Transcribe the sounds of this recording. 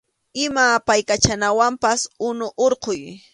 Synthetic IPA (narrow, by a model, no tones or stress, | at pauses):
ɪmapajkat͡ʃanawampasʊnʊʔoɾqʊj